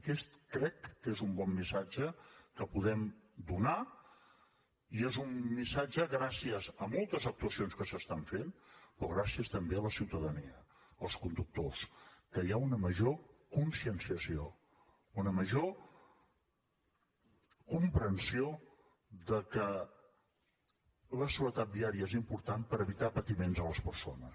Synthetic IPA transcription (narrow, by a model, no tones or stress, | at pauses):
kɛst̪kɾɛkːezumbɔmːisad͡ʒəkəpuðɛmd̪una | iezumːisad͡ʒəɣɾasiəzəmolˠt̪əzək̚t̪uəsionskəsəst̪aɱfenpɾɔɣ̞ɾasiəst̪əmbeələsiwt̪əðəniə | əlˠskund̪uk̚t̪oskəjaunəməʒokunsiənsiəsio | unəməʒo | kumpɾənsio | d̪əkə | ləsuɾət̪at̪̚d̪iaɾiəezimpuɾt̪anpəɾəβit̪apət̪imenzələspəɾsonəs